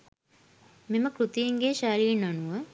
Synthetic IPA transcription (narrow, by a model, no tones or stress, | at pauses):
meməkɾut̪ijeŋɡeʃaɾiːnanuʋə